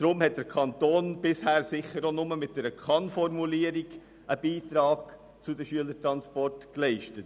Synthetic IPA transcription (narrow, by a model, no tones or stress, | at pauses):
d̥ɾʊmhɛt̚d̥əɾkʰɑntoːnb̥ɪshæːɾsɪχəɾonʊməmɪt̚d̥ɛɾəkʰɑnfɔɾmuliəɾiɡ | ʔəbiːtɾɑːɡ̥ | t͡sʊdəʃyələtɾɑnspɔrtklɛɪʃtət